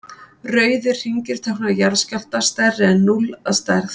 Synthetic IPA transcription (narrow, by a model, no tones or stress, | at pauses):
rœːɥðʏr̥r̥iɲcɪɾ̥t̪ʰɛhknajaɾscal̥t̪ast̪ɛrːɪɛnːulast̪aɾθ